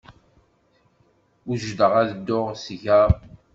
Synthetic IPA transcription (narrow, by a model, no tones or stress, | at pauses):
uʒd̪əʁæðəd̪ːoʁsʝa